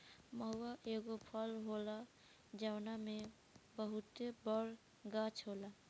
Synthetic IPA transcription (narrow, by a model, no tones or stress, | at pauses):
məɦuaʔeɡopʰəlɦola | d͡ʒawname | bəɦut̪ebəɾ | ɡat͡ʃʰɦola